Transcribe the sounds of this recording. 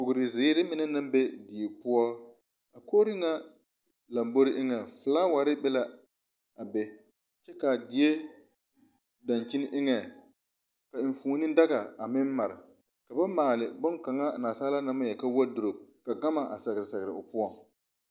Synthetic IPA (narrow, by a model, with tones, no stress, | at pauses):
pʊ˨ɡɾɪ˨zɪ˨˦ɾɪ˦mɪ˦nɛ˦na˦mbe˦di˨e˨pʊ˦ɔ˦ | a˨koː˦ɾɪ˦ŋa˦ | la˨mbo˦ɾɪ˦ʔɪ˦ŋɛ˨fɨ˨laː˦wa˨ɾɪ˦bɛ˦la˦ | a˨bɛ˦ | t͡ʃɛ˦ka˨di˨e˦ | da˨nt͡ʃɪ˦nɪ˦ʔɪ˦ŋɛ˨ | ka˨fuː˨˦nɪ˦n˦da˦ɣa˨a˨mɪ˦m˦ma˨ɾɪ̰˨ | ka˨ba˦maː˨lɪ˨bʊ˦nka˨ŋa˦˨naː˨saː˦la˦na˦ma˦jɛ˨ka˦wa˦dʊ˨ɾo˨ka˨ɡa˦ma˨ʔa̰˨sa˨ɣɾɪ˨sa˨ɣɪ˨ɾɪ̰˨ʊ˨pʊ˦ɔ˦